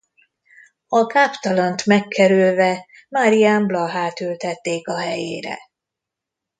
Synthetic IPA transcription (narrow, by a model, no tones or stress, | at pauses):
ɒkaːpt̪ɒlɒnt̪mɛkʰːɛɾylvɛ | maɾijaːmblɒɦaːt̪ylt̪ɛt̪ːeːkɒɦɛjḛːɾɛ̰